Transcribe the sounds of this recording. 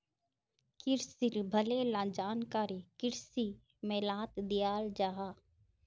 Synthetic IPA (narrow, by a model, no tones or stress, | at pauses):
kɪɾsiɾbʱəlelãːd͡ʒaːnkaːɾikɪɾsi | meːlãːt̪d̪ɪjaːld͡ʒaːɦaː